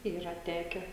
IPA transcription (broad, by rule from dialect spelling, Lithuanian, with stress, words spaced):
ˈiːrɐ ˈtʲæːkʲɛ